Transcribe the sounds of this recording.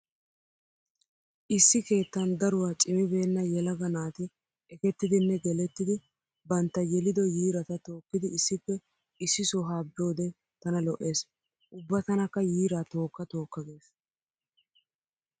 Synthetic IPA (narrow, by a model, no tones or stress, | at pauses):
ʔɪsːɪke̞ːt̪ːɐnd̪ɐɾʊwaːt͡ʃʼɪmɪbe̞ːnːɐjɛlɐɡɐnaːt̪ɪ | ɛkɛt̪ːɪd̪ɪnːɛɡɛlɛt̪ːɪd̪ɪ | bɐnt̪ːɐjɛlɪd̪ɔjiːɾɐt̪ɐt̪o̞ːkːɪd̪ɪɪsːɪpːɛ | ɪsːɪsɔɦaːbɪo̞ːd̪ɛ | t̪ɐnɐlɔʔe̞ːs | ʔʊbːɐt̪ɐnɐkːɐjiːɾaːt̪o̞ːkːɐt̪o̞ːkːɐɡe̞ːs